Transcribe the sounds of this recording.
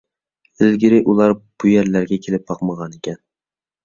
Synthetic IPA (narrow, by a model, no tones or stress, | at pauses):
ɪlɡʲɪɾɪʔulˠɑɾb̥ujæɾlæɾɡʲɛkʲʰelɪp̚bɑqməʁɑnekʲʰɛn